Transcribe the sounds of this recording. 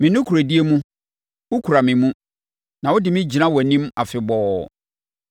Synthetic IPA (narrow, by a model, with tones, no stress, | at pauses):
mĩ˨nʊ̃˦kʰu˨ɾa˨di˦e˦mũ˦ | wʊ˦kʰu˨ɾa˨mɪ̃˨mũ˦ | nã˨wʊ˦dɪ˨mĩ˦d͡ʑi˨nã˦wɔ˨nĩ˦ma˨fɪ˨bɔː˨